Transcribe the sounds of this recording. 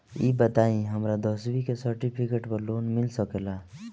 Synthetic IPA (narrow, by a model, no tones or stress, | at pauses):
ḭːbət̪aːĩɦəmɾad̪ɔːswikesəɾʈipʰikeʈpəɾloːnmɪlsəkela